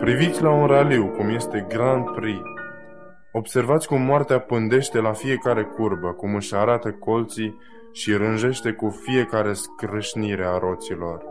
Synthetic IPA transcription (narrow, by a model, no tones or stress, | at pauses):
pɾivit̪sʲlaunraliwkumje̞st̪e̞ɡɾand̪̚pɾi | o̞bse̞rvat̪sʲkumːoart̪eapɨnd̪e̞ʃt̪e̞lafije̞kaɾe̞kurbəkumɨʃaɾat̪əko̞lt̪si | ʃiɾɨnʒe̞ʃt̪e̞kufije̞kaɾe̞skɾɨʃniɾe̞aɾo̞t̪silo̞r